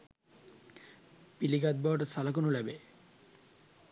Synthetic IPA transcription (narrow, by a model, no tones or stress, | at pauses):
piliɡad̪̚bɔʈsalak̬onolɛbe